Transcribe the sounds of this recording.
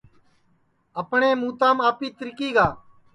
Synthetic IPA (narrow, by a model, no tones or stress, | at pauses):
əpɳeːmũːt̪ãːmaːpiːt̪ɾɪkiːɡaː